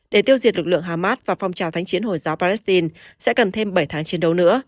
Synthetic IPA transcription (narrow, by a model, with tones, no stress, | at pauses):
ɗe˧˩t̪i˧əwzi˨˩ət̚lɨ˨˩k̚lɨ̰˧˨əŋɦaː˨˧˩maː˦˥t̚vaː˨˩fa˧wŋ͡mt͡ɕaː˨˩wt̪ʰa˨˦jŋt͡ɕi˨˦ənho˧˩jzaː˨˦wpaː˧lɛ˦˥st̪i˧nsɛ̰˧˥kə˨˩nt̪ʰe˧mɓə˧˩jt̪ʰaː˨˦ŋt͡ɕe˧nɗə˨˦wnɨ̰˧˥ə